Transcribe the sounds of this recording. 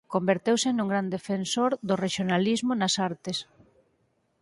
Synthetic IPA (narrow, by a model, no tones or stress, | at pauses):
kombeɾt̪ewsɪnuŋɡɾand̪efensoɾðʊreʃjonalizmonasaɾt̪es